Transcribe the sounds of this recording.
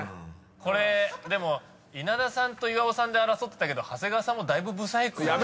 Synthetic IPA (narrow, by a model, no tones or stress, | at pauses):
ko̞ɾe̞d̪e̞mo̞ | inad̪asãnt̪o̞iβaosãnd̪e̞aɾaso̞t̪ːet̪ake̞d̪o̞hase̞ɡasãmːo̞d̪aibɯ̟bɯ̟saikɯ